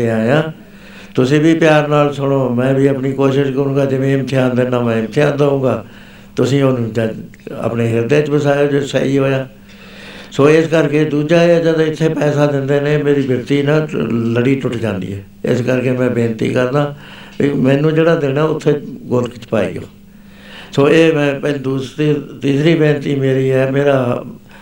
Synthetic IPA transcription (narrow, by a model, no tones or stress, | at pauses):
eaːjãː | t̪ʊsĩːbiːpɪjaːɾnaːlsʊɽ̃oːmɛ̃ːbiːəpɳiːkoːʃɪʃkəɾũːɡaːd͡ʒɪʋẽːɪmət̪ʰejãːnd̪enãːmɛ̃ːɪmt̪ʰɪjãːnd̪əũːɡaː | t̪ʊsĩːoːnũːt͡ʃa | ə̰pneːɦɪɾd̪eːt͡ʃbəsaːoːd͡ʒosə̰iːɦoːjaː | soːɪskəɾkeːd̪uːd͡ʒaːaːd͡ʒed̪oːɪt̪ʰːeːpɛːsaːd̪ɪnd̪eːneːmeːɾiːbjəɾt̪iːnãːləɽiːʈʊʈd͡ʒãːnd̪ḭːɦɛː | ɪ̰skəɾkeːmɛ̃ːbẽːnt̪ḭːkəɾd̪aː | imɛ̃ːnũːd͡ʒeːɽaːd̪ɪnãːʊt̪ʰːeːɡʊlkt͡ʃpa̰ːḭːo̰ː | soːeːmɛ̃ːpɛld̪uːsɾiːt̪iːsɾiːbẽːnt̪iːmeːɾiːɦɛːmeːɾaː